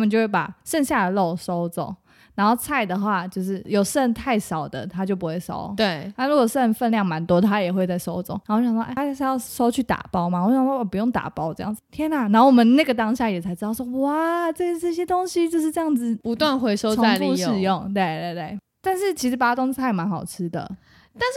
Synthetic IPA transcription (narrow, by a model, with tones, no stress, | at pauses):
mə˨t͡ɕjo˥˧xwe˥˩pa̰˨˩ʂə˥˧ŋɕja˥˩ə˩lo˥˩ʊso˥ʊt͡so̰˨˩˦ŋ | na˧˥nxo˥˧ʊt͡sʰa˥˩ɪd̪ə˩xwa˥˧t͡ɕjo˥˧ʊʂ̬ɻ̩˥˩jo˨˩ʊʂə˥˧nt̪ʰa˥˩ɪʂɑ˨˩ʊd̪ə̰˦t̪ʰa˥t͡ɕjo˥˩ʊp̬u˧˥xwe˥˩ɪsʂo̰˥ʊt̪we˥˩ɪna˥˩ɻu˧˥kwʂə˥˧nfə˥˧nljɑ˥˩ŋma˧˥nt̪wɔ˥t̪ʰa˥jɛ˨˩xwe˥˧ɪt͡sa˥˩ɪʂo˥ʊt͡sŋn˨˧˥jʔʰa˥˩˦jɑ˥˧˩ʂo˥ʊt͡ɕʰy˥˩t̪a̰˨˩pɑ˥ʊma˨wa˥˩pu˧jo˥˩ŋt̪a̰˨˩pɑ˥ʊʈ͡ʂɤ˥˧jɑ̰˥˩ŋd͡z̩˩t̪ʰjɛ˥na˨˩na˧˥nxo˩wɔ˨˩mə˨˦nna˥˩ɡə˩t̪ɑ˥ŋɕja˥˩jɛ˨˩t͡sʰa˧˥ɪʈ͡ʂɻ̩˥d̪ɑ˥˩ʊ˩ʂwɔ˥wa˥˩ʈ͡ʂɤ˥˩ɡə˨ʈ͡ʂə˥˧ɕ̬jɛ˥t̪o˥ŋɕi˥t͡ɕjo˥˧ʊʂ̬̩˥˧ʈ͡ʂɤ˥˧jɑ˥˩ŋd͡zɹ̩˨˩pu˧˦t̪wa˥˨nxwe˧˥ɪʂo˥ʊoa˥˨ŋu˥ʂɻ̩˥˧jʊ˥˨ŋt̪we˥˧ɪt̪we˥˧ɪt̪we˥˩ɪ | t̪a˥˧nʂɻ̩˥˩t͡ɕʰi˧˥ʂ̩˧˥pa˨˩a˥t̪o˥ŋt͡sʰa˥˩ɪma˧˦nxɑ˨˩ʊʈ͡ʂ̩ʰ˥d̪ə̰˨ | t̪a˥˧nʂ̩˥˩